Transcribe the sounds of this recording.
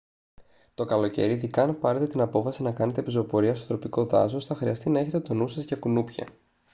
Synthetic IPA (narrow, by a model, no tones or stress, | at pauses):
t̪o̞kɐlo̞ce̞̰ɾiðikɐnpɐɾet̪e̞t̪inɐpo̞fɐsinɐkɐne̞t̪e̞pizo̞po̞ɾiɐst̪ot̪ɾo̞piko̞ðɐ̰zo̞sθɐxɾiɐst̪inɐe̞çe̞t̪e̞t̪o̞nusɐzʝɐkunupçɐ̰